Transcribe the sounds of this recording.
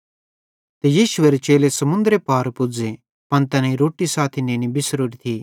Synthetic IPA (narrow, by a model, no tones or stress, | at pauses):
t̪ejiːʃʊeɾet͡ʃeːlesɐmʊ̃nd̪əɾepaːɾpʊd͡ze | pɐ̃nt̪ɐnãːĩɾoːʈisaːt̪ʰinẽːñibɪsɾuːɾit̪ʰiː